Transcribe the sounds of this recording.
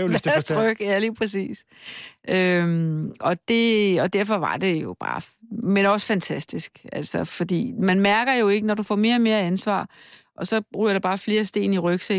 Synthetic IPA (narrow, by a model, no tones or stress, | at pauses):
t͡sʰʁœɡ̥jæliːpʰɛsḭːsʔømɒ̽d̥e̝ɒ̽d̥æɐ̰fɒ̽ʋɑ̈d̥e̝jo̝b̥ɑ̈ːmenɒ̽sfænt͡sʰæsd̥isɡ̥ælsɒfɒ̽d̥ḭːmænmæɐɡ̥ɐjo̝e̝ɡ̥ənɒdufɒ̰ːme̝ːɐme̝ːɐænsʋɑ̰̈ːʔɒ̽sɒ̽ʁy̰ːɐɾ̥ɑb̥ɑ̈ːfle̝ːɐsd̥e̝̰ːniʁœɡ̥se